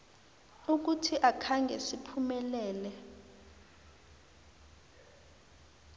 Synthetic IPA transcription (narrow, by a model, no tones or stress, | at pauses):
uk̬utʰiʔakʰaŋɡʱɛ̰sipʰumɛlɛːlɛ